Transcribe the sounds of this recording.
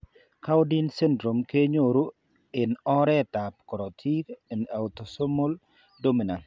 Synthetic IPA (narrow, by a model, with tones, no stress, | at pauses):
ka˦wdinsɛ˦ndɾo˨mke˦ɲoɾu˦ | ɪnɔ˦ɾɛ˦tap̚kɔ˨ɾɔtʰikɪna˨wtosomo˦l | domi˨na˨